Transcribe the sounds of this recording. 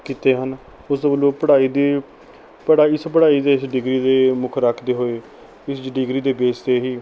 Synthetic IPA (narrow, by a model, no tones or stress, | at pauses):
kiːt̪eːɦən | ʊsbəloːpəɽaːiːd̪iː | pəɽaːiɪspəɽaːiːd̪eːɪsɖɪɡɾiːd̪eːmʊkʰɾakʰd̪eːɦoːeː | ɪsd͡ʒɖɪɡɾiːd̪eːbeːst̪eːɦiː